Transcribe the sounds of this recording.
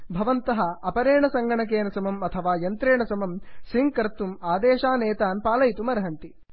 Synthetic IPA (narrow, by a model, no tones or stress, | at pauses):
bʱɐʋɐnt̪ɐɦɐ̆ɐpɐɾeːɳɐsɐŋɡɐɳɐk̬eːnɐsɐmɐmɐt̪ʰɐʋaːjɐnt̪ɾeːɳɐsɐmɐmsiŋkɐɾt̪ːumaːd̪eːʃaːneːt̪aːnpaːlɐjt̪umɐɾɐɦɐnt̪i